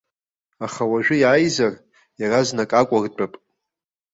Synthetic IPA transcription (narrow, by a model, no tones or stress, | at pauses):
aχawaʒᶣʊjaːjzar | jaraznakʼakʷʼart͡pʼapʼ